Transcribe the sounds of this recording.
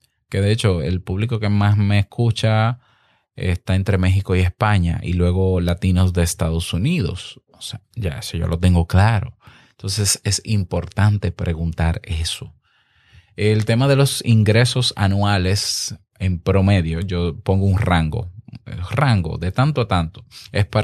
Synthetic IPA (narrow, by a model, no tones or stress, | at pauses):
ke̞ðeet͡ʃo̞e̞lpuβliko̞ke̞masme̞ːskut͡ʃa | ḛst̪ae̞nt̪ɾe̞me̞xiko̞ie̞spaɲa̰ʔḭlwe̞ɣo̞lat̪ino̞sd̪e̞ːst̪aðo̞suniðo̞̰soseʝa̰esoʝo̰lo̞t̪e̞ŋɡo̞klaɾo̞̰ent̪o̞ns̬e̞se̞simpo̞ɾt̪ant̪e̞pɾʔe̞ɣunt̪aɾe̞so | elt̪e̞maðe̞lo̞siŋɡɾe̞so̞sa̰nwale̞s | e̞mpɾo̞me̞ðjo̞ʝo̞po̞ŋɡouŋraŋɡo̞̰raŋɡo̞̰ðe̞t̪ant̪oat̪ant̪oe̞spa